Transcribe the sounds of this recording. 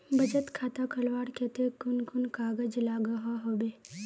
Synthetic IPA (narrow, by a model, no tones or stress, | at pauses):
bɐd͡ʒət̪kʰaːt̪akɐlʋaːɽkɛt̪ekʊnkʊnkaːɡəd͡ʒlaːɡɐɦaɦoːbeː